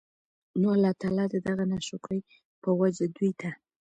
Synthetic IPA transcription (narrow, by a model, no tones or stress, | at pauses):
noalːɑt̪ɑlɑd̪əd̪aɣanaʃokɽəj | pəwad͡ʒad̪ujt̪ʰa